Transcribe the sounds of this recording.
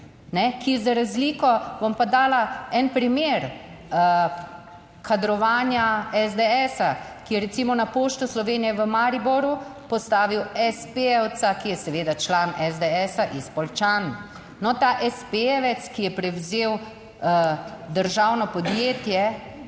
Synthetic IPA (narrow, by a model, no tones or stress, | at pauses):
nɛkiɛzaɾazliːkɔʋɔmpad̪aːlaɛnpɾimeɾ | kʰad̪ɾɔʋaːnjaɛzd̪ɛɛsakijɛɾɛt̪simɔnapoːʃt̪uslɔʋeːnijɛʋəmaɾibɔɾupɔst̪aːʋiwɛspeɛwt̪sakijɛsɛʋeːd̪at͡ʃlaːnɛzd̪ɛɛsaʔispɔlt͡ʃan | nɔt̪aːʔɛspeɛʋɛt̪skijɛpɾɛwzeːw | əd̪əɾʒaːwnɔpɔd̪jeːt̪jɛ